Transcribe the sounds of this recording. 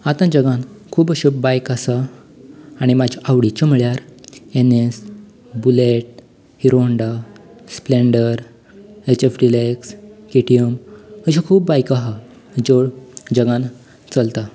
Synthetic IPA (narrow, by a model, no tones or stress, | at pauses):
at̪ãd͡ʑəɡãnkʰuːbəɕebajkasa | aɽ̃imad͡ʑʱaʔaʋɽit͡ɕɔm̤iɭjaɾenes | buleʈ̚ | hiɾoəɳɖaspleɳɖəɾ | et͡ɕefɖilekskeʈiəməɕikʰuːbːajkaɦa | d͡ʑoɽd͡ʑəɡãn | t͡səlt̪a